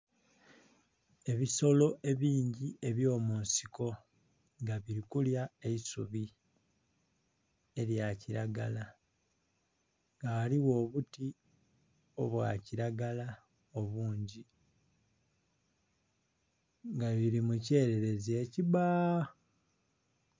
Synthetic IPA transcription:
e̞βiso̞lo̞ʔe̞βiːɲɟie̞βjo̞ːmuːnsiko̞ | ŋɡaβiɾikuljaeisuβi | e̞ɾjaciɾaɡala | ŋɡaːliwo̞ːβuti | o̞βwa̰ːciɾaɡala | o̞βuːɲɟi | ŋɡaβiɾimuce̞ːɾe̞ɾe̞ze̞ːciβa

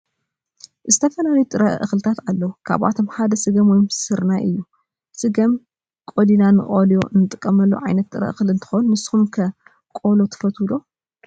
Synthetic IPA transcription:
zɨt̪ʰɐfɐnaljut̪ʼɨɾɐʔʔɨxlɨt̪ʰat̪alːɐwukʰa̰βʔa̰t̪ʰo̞mħad̪ɐsɨɡɐmwojmsɨɾnajʔɨjːu | sɨɡɐm | kʼod̪inanɨχʼoljo̞ɨnɨt̪ʼɨkʼːɐmɐlːṵʕajnɐt̪ːʼɨɾɐ̰ʔɨxlɨnt̪ʰɨ̥xonunɨshumkʰɐ | kʼo̞lot̪ʰɨ̥fɐt̪ʰud̪o̞

